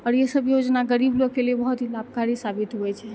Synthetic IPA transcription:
əɽjəsəbjod͡ʒnaɡəɾiblokelebəɦut̪ilab̚kaɾisabit̪ɦojt͡ʃʰe

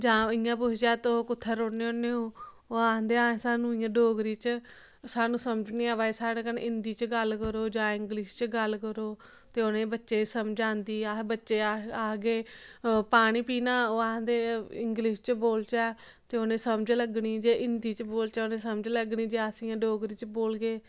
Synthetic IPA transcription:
d͡ʒãːɪjãːp̬ʊt͡ʃʰd͡ʒɛːt̪oːkʊt̪ʰːəɾoːneːoːneːoː | oːaːɦnd̪eːãːsaːnũːɪ̃jãːɖoːɡɾiːt͡ʃ | saːnũːsəmd͡ʒniːɛːʋaːeːsaːɽeːkənʔɪnd̪iːt͡ʃɡəlkəɾoːd͡ʒãːɪŋɡlɪʃt͡ʃɡəlkəɾoː | t̪eːoːnẽːbətːʃeːsəmd͡ʒãːnd̪iːaːbətːʃeːaaːɡeːpaːɽ̃iːpiːnãːoːaːɦnd̪eːɪŋɡlɪʃt͡ʃboːlt͡ʃɛː | t̪eːoːnẽːsəmd͡ʒləɡniːd͡ʒeːʔɪnd̪iːt͡ʃboːlt͡ʃɛːoːnẽːsəməd͡ʒləɡniːd͡ʒeːasɪjãːɖoːɡɾiːt͡ʃboːlɡeː

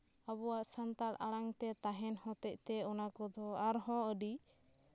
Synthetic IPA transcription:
aβɔwaʔsant̪aɽaɽaŋt̪ɛt̪aɦɛnhɔ̃t̪ɛc̚ˀt̪ɛɔnakɔd̪ʱɔaɾɦɔ̃əɖi

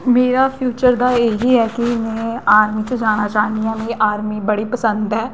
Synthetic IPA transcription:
meːɾaːpʰjuːt͡ʃəɾd̪aːeːɦiːɦɛːkinẽːaːɾmiːt͡ʃəd͡ʒaːɽ̃aːt͡ʃaːnijãːmẽʔaːɾmiːbəɽiːpəsənd̪ɦɛː

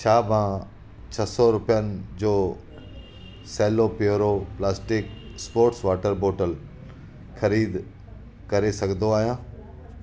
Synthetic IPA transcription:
t͡ɕʰaːmã | t͡ɕʰɐsɔɾʊpijənɪ̆d͡ʑoː | seːlopjoɾoplaːsʈɪkspoːɾʈsʋaːʈəɾboːʈəl | xʰɐɾiːd̪ | kɐɾesɐɡʱnd̪oaːɦijãː

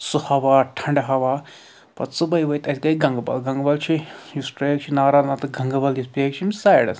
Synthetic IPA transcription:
suhɐʋaːʈʰɐɳɖɐɦɐʋaː | pɐ̰t͡sɨbɐjʋɐjt̪ɐt̪ʲkɐiɡɐŋɡbɐ̰lɡɐŋɡbɐlt͡ʃʰijusʈɾeːkt͡ʃʰinaːɾaːlnɐt̪ɨɡɐŋɡɐbɐljispeːk̚t͡ʃʰimʲsaːjɐɽɐ̰s

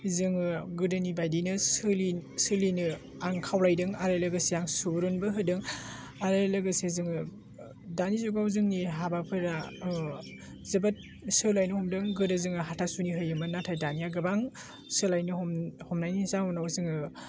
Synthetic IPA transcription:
zɯŋɯɡɯdɯnibajdinɯsɯlisɯlinɯ | aŋkʰawlajdɯŋaɾɯlɯɡɯsijaŋsuɾunbɯɦɯdɯŋ | aɾɯlɯɡɯsezɯŋɯ | danizuɡawzɯŋniɦabapʰɯɾa | zɯbat̚ | sɯlajnɯhɔmdɯŋɡɯdɯzɯŋɯɦatʰasuniɦɯjɯmanatʰajdanijaɡɯbaŋ | sɯlajnɯhɔmnajnizaŋɔnawzɯŋɯ

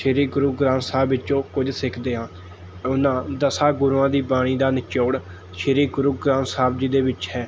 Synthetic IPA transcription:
ʃəɾiːɡʊɾuːɡɾãːnsaːbɪt͡ʃõːkʊd͡ʒsɪkʰd̪eːɦãː | ʊnãːd̪əsaːɡʊɾuãːd̪iːbaːɽ̃iːd̪aːnɪt͡ʃoːɽ | ʃəɾiːɡʊɾuːɡɾãːnsaːb̚d͡ʒiːd̪eːʋɪt͡ʃhɛː

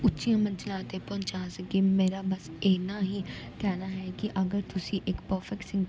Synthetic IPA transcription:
ʊtːʃijãːmə̃nt͡ʃlãːt̪epɔ̃ːnt͡ʃaːsəɡeːmeːɾaːbəs | eːnãːɦiː | kɛːnaːɦɛːkiʔəɡəɾt̪ʊsĩːʔɪkpɔːfɪksɪ̃ŋ

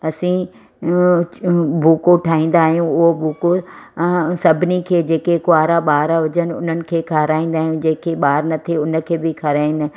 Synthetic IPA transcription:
ɐsĩ | buːkoʈʰaːɦĩːn̆d̪aːɦijũʊɦobuːko | sɐbʱɪnikʰeːd͡ʑeːkekʊaːɾaɓaːɾaɦʊd͡ʑənɪ̆ʊ̰n̤ənɪ̆kʰeːkʰaɾaːĩːn̆d̪aːɦijũd͡ʑeːkʰeɓaːɾnɐt̪ʰeʊnə̆kʰeːbɪkʰɐɾaːĩnɪ

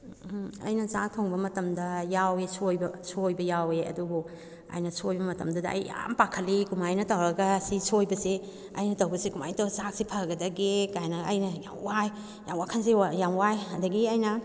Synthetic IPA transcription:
ɐ̰jnɐzak̚tʰoŋbɐmɐtɐmdɐjawesʰojbɐsʰojbɐjaweɐ̰dubu | a̰jnɐsojbɐmɐtɐmdɐdɐɐ̰jja̰mpakʰɐlikumajnɐtɐwɾɐɡɐsisʰojbɐse | ɐjnɐtɐwbɐsekuma̰jtozak̚sipʰɐɡɐdɐɡekajnɐɐjnɐja̰mwaj | ja̰mwakʰɐnsiajamwajɐndɐɡiɐjnɐ

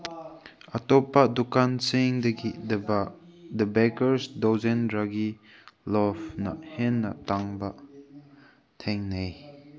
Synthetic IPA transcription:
ɐtɔpːɐdukansiŋdɐɡid | dɐbɛkəɾsdɔzenɾaɡi | lɔbnɐ̰henːɐ̰taŋbɐ | tʰeŋnej

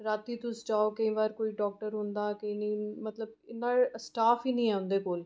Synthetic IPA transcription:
ɾaːt̪iːt̪ʊsd͡ʒaːoːkəĩːʋaːɾkoːiːɖɔːk̚ʈəɾɦʊ̃nd̪aːkəĩːnĩːmət̪ləb̚ɪnaːlsʈaːfʰiːnĩːɛːʊ̃nd̪eːkoːl

